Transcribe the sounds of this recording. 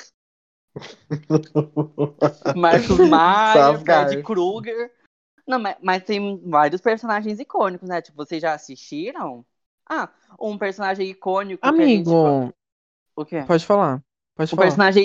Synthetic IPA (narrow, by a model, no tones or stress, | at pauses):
maɾkʊzmaaɡaɾd͡ʒɪkɾuɡeɾ | nɐ̃w̃mɐmɐst̪ẽj̃vaɾjʊspeɾsõnaʒẽj̃zikõnikʊsnɛt͡ʃi̥pʊvosezʒaːsiʃt͡ʃiɾɐ̃w̃ | a | ũpeɾsõnaʒẽj̃ikõnikʊamĩɡʊ | ʊkeɛpɔd͡ʒɪfala | pɔd͡ʒɪũfpeɾssõnaʒẽj̃